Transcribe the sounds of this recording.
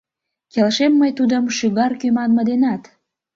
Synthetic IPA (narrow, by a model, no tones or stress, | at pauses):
kelʃemːəjt̪ud̪əmʃyɣɑrkymɑnməd̪enɑt̪